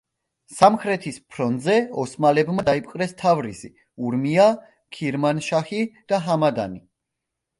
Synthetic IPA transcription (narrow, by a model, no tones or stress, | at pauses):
samχɾɛt̪ʰispʰɾɔnd̪zɛɔsmalɛbmad̪aipʼqʼɾɛst̪ʰavɾizi | uɾmia | kʰiɾmanʃaχid̪̥aɦamad̪a̰ni